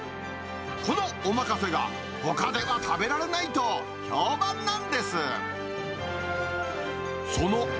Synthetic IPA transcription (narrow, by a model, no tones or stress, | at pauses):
ko̞no̞omakase̞ɡa̰ | ho̞kad̪e̞βat̪abe̞ɾaɾe̞nait̪o̞ | çoːbãnːãnd̪e̞sɨ | so̞no